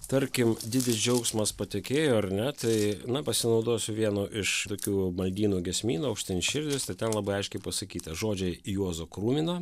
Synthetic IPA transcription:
t̪ɐɾʲkʲɪmd̪ʲɪd̪ʲɪsd͡ʒʲɛʊksmɐspɐt̪ʲɛkʲeːjoːɐɾnʲɛt̪ɐɪnɐpɐsʲɪnɒʊd̪oːsʲʊʋʲiɛnoːʔɪʃt̪oːkʲuːmɐlʲd̪ʲiːnuːɡʲɛsʲmʲiːnuːɐʊkʃʲt̪ʲɪnʲɪʃʲɪɾʲd̪ʲɪst̪ɐɪt̪ʲɛnlˠɐbɐɪɐɪʃʲkʲɛɪpɐsɐkʲiːt̪ɐʒoːd͡ʒʲɛɪjuɔzoːkɾuːmʲɪnoː

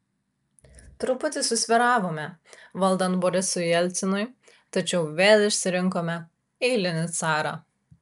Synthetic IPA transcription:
t̪ɾʊpʊt̪ʲɪsʊsʲʋʲɪɾɑːʋoːmʲɛʋɐlˠd̪ɐnt̪bɔɾʲɪsʊjjɛlʲt̪sʲɪnʊj | t̪ɐt͡ʃʲɛʊʋʲeːlʲˠɪʃʲsʲɪɾʲɪŋkoːmʲɛ | ɛɪlʲɪnʲɪt̪sɑːɾɑ̰

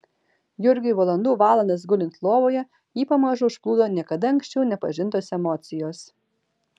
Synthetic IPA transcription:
jʊɾʲɡʲʊʋɐlˠɐnd̪uːʋɑːlˠɐnd̪ɐs̬ɡʊlʲɪnt̪lˠoːʋoːjɛ | jiːpɐmɐʒʊʊʃplˠuːd̪oːnʲiɛkɐd̪ɐɐŋksʲt͡ʃʲɛʊnʲɛpɐʒʲɪnt̪oːsɛmɔt̪sʲɪjoːs

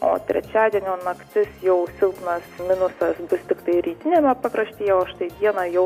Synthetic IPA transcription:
o̰ːt̪ʲɾʲɛ̰t͡ʃʲæːd̪ʲiɛnʲoːnɐkt̪ʲɪsjɛʊsʲɪlˠknɐsmʲɪnʊsɐsbʊst̪ʲɪkt̪ɐɪɾʲiːt̪ʲɪnʲeːmʲɛpɐpɾɐsʲt̪ʲiːjɛoːʃt̪ɐɪʋʲiɛnɐjɛʊ

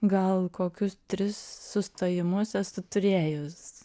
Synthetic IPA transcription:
ɡɐlˠkoːkʲʊst̪ʲɾʲɪsːʊst̪oːjɪmʊsɛstʊt̪ʊɾʲeːjʊs

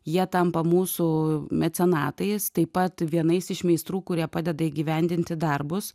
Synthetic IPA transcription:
jiɛt̪ɐmpɐmuːsʊmʲɛt̪sʲɛnɑːt̪ɐɪst̪ɐɪppɐt̪ʋʲiɛnɐɪsɪʃmʲɛɪst̪ɾuːkʊɾʲiɛpɑːd̪ʲɛd̪ɐiːɡʲiːʋʲɛnʲd̪ʲɪnʲt̪ʲɪd̪ɐrbʊs

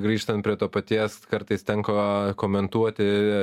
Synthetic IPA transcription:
ɡɾʲiːʃt̪ɐnt̪pʲɾʲiɛt̪oːpɐt̪ʲiɛskɐɾt̪ɐɪst̪ʲɛŋkokoːmʲɛnt̪uɔt̪ʲɪ

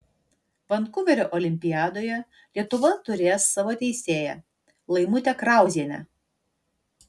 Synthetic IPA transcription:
ʋɐnkʊʋʲɛɾʲoːʔɔlʲɪmʲpʲɪjæːd̪oːjɛ | lʲiɛt̪ʊʋɐt̪ʊɾʲeːsːɑʋoːt̪ʲɛɪsʲeːjɛ̰ | lˠɐɪmʊt̪ʲɛkɾɑˑʊzʲiɛnʲɛ̰

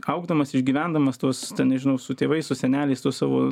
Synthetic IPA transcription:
ɐʊɡd̪ɐmɐsɪʒʲɡʲiːʋʲænd̪ɐmɐst̪uɔst̪ʲɛnnʲɛʒʲɪnɐʊsʊt̪ʲeːʋɐɪsʊsʲɛnʲæːlʲɛɪst̪uɔssɑːʋo̰ː

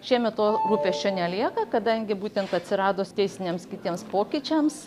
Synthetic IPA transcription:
ʃʲiɛmʲɛt̪oːɾuːpʲeːst͡ʃʲɛnʲɛlʲiɛkɐkɐd̪ɐŋʲɡʲɪbuːt̪ʲɛnt̪ɐt̪ʲsʲɪɾɑːd̪oːst̪ʲɛɪsʲɪnʲemskʲɪt̪ʲiɛmspoːkʲɪt͡ʃʲɛms

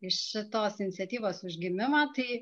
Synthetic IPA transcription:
ɪʃʃʲɪt̪oːsɪnʲɪt̪t͡sʲɛt̪ʲiːʋoːsʊʒʲɡʲɪmʲɪmɐːt̪ɐɪ

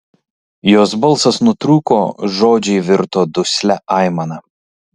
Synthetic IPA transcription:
joːsbɐlˠsɐsnʊt̪ɾuːkoːʒoːd͡ʒʲɛɪʋʲɪɾt̪oːd̪ʊsʲlʲæʔɐˑɪmɐnɐ

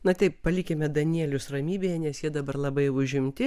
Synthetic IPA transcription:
nɐt̪ʲɛɪppɐlʲikʲɛmʲɛd̪ɐnʲiɛlʲʊsrɐmʲiːbʲeːjɛnʲɛsjiɛd̪ɐbɐɾlˠɐbɐɪʊʒʲɪmʲt̪ʲɪ

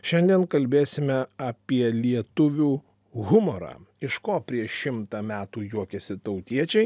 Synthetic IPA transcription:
ʃʲɛnʲd̪ʲiɛnkɐlʲbʲeːsʲɪmʲɛɐːpʲiɛlʲiɛt̪ʊʋʲuː | ɣʊmoɾɑ̰ː | ɪʃkoːpʲɾʲiɛʃʲɪmt̪ɑːmʲæːt̪uːjuɔkʲɛsʲɪt̪ɐʊt̪ʲiɛt͡ʃʲɛɪ

